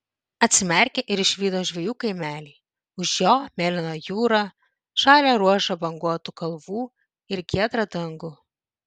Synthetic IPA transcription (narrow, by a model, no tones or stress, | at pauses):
ɐt̪ʲsʲɪmʲɛˑɾʲkʲeʔɪɾɪʃʲʋʲiːd̪oːʒʲʋʲɛjuːkɐɪmʲæːlʲiː | ʊʃjoːmʲeːlʲɪnojuːɾɑː | ʃɑːlʲeɾuɔʃɐbɐŋɡuɔt̪ukɐlˠʋuː | ɪɾɡʲiɛt̪ɾɐd̪ɐŋɡʊ